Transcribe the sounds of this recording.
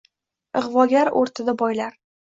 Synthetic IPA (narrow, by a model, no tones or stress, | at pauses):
ɨʁvɒɡʲaɾo̰ɾt̪ʰɪd̪abɒjlaɾ